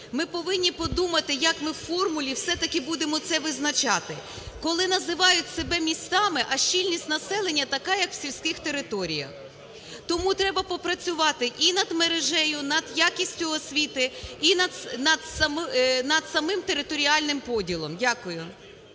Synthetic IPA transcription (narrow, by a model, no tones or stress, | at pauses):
mɪpɔʋɪnʲːipɔd̪umɐt̪ɪjɐkmɪwfɔrmʊlʲiwsɛt̪ɐkɪbud̪emɔt̪sɛʋɪznɐt͡ʃɑt̪ɪ | kɔlˠɪnɐzɪʋɑjʊtʲsebɛmʲisʲt̪ɑmɪʔɐʃt͡ʃilʲnʲisʲtʲnɐsɛlˠenʲːɐt̪ɐkɑjɐkw̥sʲilʲsʲkɪxt̪eɾɪt̪ɔɾʲijɐ̰x | t̪ɔmut̪ɾɛbɐpɔpɾɐt͡sʲʊʋɑt̪ɪʔinɐd̪meɾeʒɛjʊnɐd̪jakʲisʲtʲʊɔsʲʋʲit̪ɪinɐd̪nɐd̪sɐmnɐd̪̥sɐmɪmt̪eɾɪt̪ɔɾʲiɑlʲnɪmpɔdʲilˠɔmdʲakʊjʊ